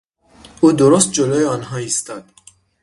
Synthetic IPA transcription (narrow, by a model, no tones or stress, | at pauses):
ʔuːd̪oɾost̪̚d͡ʒolɒːjeɒnɦɒːist̪ɒd̪̥